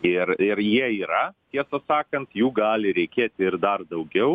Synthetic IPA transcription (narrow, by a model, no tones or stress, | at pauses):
ɪɾɪɾjiɛiːɾɐt̪ʲiɛsɐsɑːkɐnt̪juːɡɑːlʲɪɾʲɛɪkʲeːt̪ʲɪrd̪ɐrd̪ɐʊɡʲɛʊ